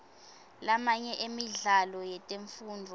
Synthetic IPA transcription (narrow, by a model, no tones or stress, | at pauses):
lamaɲɛʔemiɮalɔjɛtʼeɱfuːndʱɔ